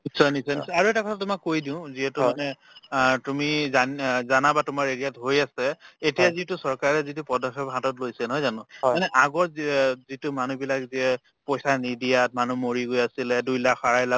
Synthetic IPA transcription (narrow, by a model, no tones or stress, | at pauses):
nisɔnisɔnisɔaɹuɛtakɔtʰatʊmakːojdĩʊ̃ziɦɛtʊmanɛ | tumizanzanabatʊmaɹedijatɦojasɛetijaziɦɛtʊsɔɹkaɹɛzitupɔdɔxɔbɦatɔtlojsɛnɔɦɔjzanʊ̃manɛʔaɡɔɹzitʊmanubilakziɛ | pɔjsanidijat̚manumoɹiɡojasilɛdujlakxaɹajla